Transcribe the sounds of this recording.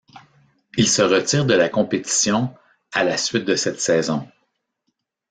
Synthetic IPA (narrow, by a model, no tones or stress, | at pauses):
ilsəʁət̪siːʁd̪əlakɔ̃pet̪i̥sjɔ̃ | alasɥɪt̪̚d̪əsɛt̪sɛːzɔ̃